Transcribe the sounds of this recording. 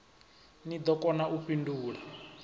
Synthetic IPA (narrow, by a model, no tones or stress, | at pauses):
nid̪ɔkɔnaʔuɸinduːɺa